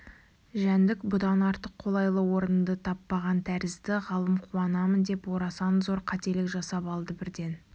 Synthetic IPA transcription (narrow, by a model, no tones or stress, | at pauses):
ʒænd̪ɪkbʊd̪ɑnɑɾt̪əqʰːo̞lˠɑjlˠəwo̞ɾənd̪ət̪ʰɑpːɑʁɑnt̪ʰæɾɪzd̪ɪʁɑlˠəmqʰuɑnɑmənd̪e̞pwo̞ɾɑsɑnzo̞ɾqʰɑt̪e̞lɪkʒɑsɑpɑlˠd̪əbɪɾd̪e̞n